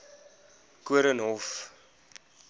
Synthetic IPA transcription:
kuəɾənɦɔf

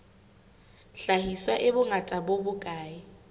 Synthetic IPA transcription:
ɬahiswaʔɪbʊŋatʼabobʊkʼaːɪ

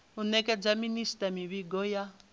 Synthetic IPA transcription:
unɛkʼɛd͡zaministʼamiβiɡɔja

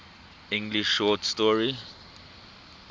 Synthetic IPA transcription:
ĩŋɡliʃːɔtstɔɹi

